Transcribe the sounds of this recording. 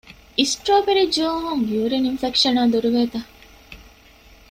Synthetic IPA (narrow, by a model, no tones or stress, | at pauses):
isʈɾoːpeɾid͡ʒuːɦuŋjuːɾeninfekʂɐnaːd̪uɾuʋeːt̪ɐ